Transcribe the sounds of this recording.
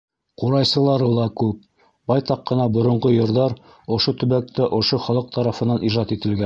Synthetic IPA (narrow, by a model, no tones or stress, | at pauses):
quɾɑjsɤ̆lˠɑɾɤlˠɑkʉp̚ | bɑjt̪ɑqːɤ̆nɑbŏɾŏɴɢojŏɾðɑɾ | ŏʃot̪ɵ̆βæk̚t̪æʔŏʃoχɑlˠɤq̚t̪ʰɑɾɑfɤ̆nɑniʒɑt̪it̪ɘ̆lɡæ